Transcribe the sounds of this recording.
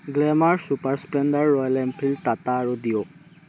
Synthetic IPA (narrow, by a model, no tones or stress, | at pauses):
ɡlɛmaɹsupaɹsplɛndaɹːɔjlɛmpʰiltataːɹudijɔ